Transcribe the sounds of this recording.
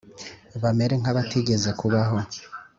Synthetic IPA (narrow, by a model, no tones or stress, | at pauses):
βame̞ɾeŋ̥aβatiɟe̞zekuβaɦo̞